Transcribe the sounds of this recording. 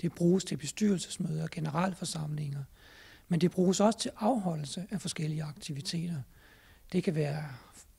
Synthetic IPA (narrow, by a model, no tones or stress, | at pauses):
d̥e̝b̥ʁuːst͡sʰe̝b̥e̝sd̥yɐlsə̥smøːðˠɐɒɡ̥e̝nəʁɑ̰̈l̰əfɒ̽sɑ̈m̰le̝ŋɐ | mend̥e̝b̥ʁuːsɒ̽sə̥t͡sʰe̝lʔɑ̈ʊɦɒ̽l̰l̩səʔæfɒ̽sɡ̥el̰iəɑ̈ɡ̥̚t͡sʰiʋit͡sʰe̝̰ːd̥ɐ | d̥e̝kʰæʋæːɐ